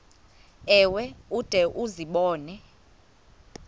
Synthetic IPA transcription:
ɛwɛud̥ʱɛʔuziɓɔːnɛ

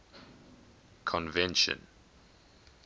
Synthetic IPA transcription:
kʰɔ̃nvɛ̃nʃə̰̃n

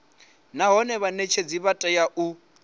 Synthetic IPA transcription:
naɦɔnɛβanet͡ʃʰed͡ziβatʼajaʔu

